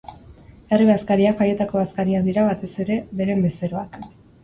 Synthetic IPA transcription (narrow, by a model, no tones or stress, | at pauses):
eriβaskaɾiakfaje̞t̪ako̞βaskaɾiak̚d̪iɾaβat̪e̞se̞ɾe̞βe̞ɾe̞mbe̞se̞ɾo̞ak